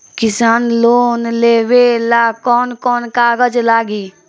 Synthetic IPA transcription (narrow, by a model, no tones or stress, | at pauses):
kɪsaːnloːnleːʋelaːkɔːnkɔːnkaːɡəd͡ʒlaːɡiː